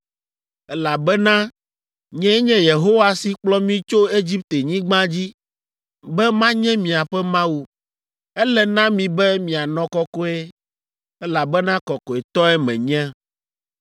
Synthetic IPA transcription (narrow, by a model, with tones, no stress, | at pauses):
ɛ˦la˨bɛ˦nã˦ | ɲɛ̃˦ɲɛ̃˦je˨ɦo˦wa˨si˨k͡plɔ˦mĩ˦t͡ʃo˦e˦d͡ʑi˦p̚t̪e˨ɲĩ˦ɡ͡bã˦d͡ʑi˦ | bɛ˦mã˦ɲɛ̃˦mĩ˨a˨ɸɛ˦mã˦wu˦ | ɛ˦lɛ˨nã˦mĩ˨bɛ˦mĩ˨a˨nɔ̃˨kɔ˦kɔ˦e˦ | ɛ˦la˨bɛ˦nã˦kɔ˨kɔ˨e˨t̪ɔ˦ɛ˦mɛ̰̃˨ɲɛ̃˦